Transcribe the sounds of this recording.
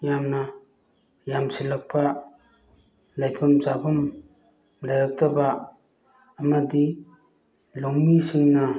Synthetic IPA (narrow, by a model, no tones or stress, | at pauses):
jamna | jamsilak̚pa | lajpʰumt͡ʃabum | lajak̚tabaː | madi | loŋmisiŋna